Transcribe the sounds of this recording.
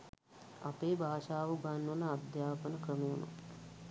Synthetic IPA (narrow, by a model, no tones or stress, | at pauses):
a̰peːbʱaːʃaːʋuɡanːunəad̪jaːpənəkrəmejunṵ